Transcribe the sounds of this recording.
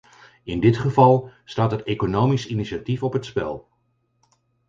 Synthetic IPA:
ɪndɪtχəvɑlˠstaːtɦətejkonowmisiniʃatifɔpɦətspɛ̰lˠ

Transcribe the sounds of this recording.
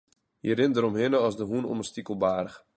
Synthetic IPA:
jəɾɪndəɾɔmɦɪnəɔsdəɦunɔ̰məstikəlˠbaːrəx

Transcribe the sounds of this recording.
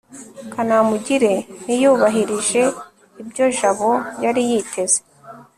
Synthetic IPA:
kanamuɟiɾe̞nijuːβaɦiɾiʒe̞ | ibɟo̞ʒaβo̞jaɾijitʰe̞z̥e̞

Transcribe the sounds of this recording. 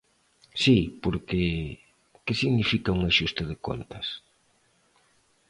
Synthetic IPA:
sipoɾkɪ | kɪsiɣnifikauŋaʃust̪ɪðɪko̰nt̪ɐs

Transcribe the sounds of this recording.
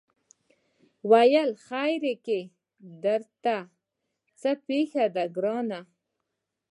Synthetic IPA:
wajəlxajɾeke | d̪əɾt̪a | t͡səpexad̪aɡɾɑna

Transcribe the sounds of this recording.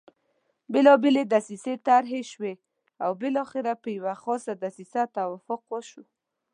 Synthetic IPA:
bɪlɔbeled̪asiset̪aɾɦeʃwe | awbɪlɔxɪɾapəjawaxɔsad̪asisat̪awafʊqwəʃu

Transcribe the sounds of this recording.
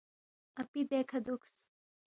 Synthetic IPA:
ɐpid̪eːkʰɐd̪uks

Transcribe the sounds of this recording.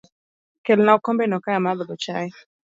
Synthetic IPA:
kɛlnaukɔmbɛnɔkaamaðɔlɔt͡ʃai

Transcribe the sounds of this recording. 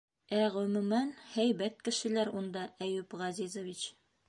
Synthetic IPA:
æʁɵ̆mʉ̆mænhæjbæt̪kɘ̆ʃɘ̆læɾund̪ɑʔæjʉpʁɑzizŏvʲit͡ɕ

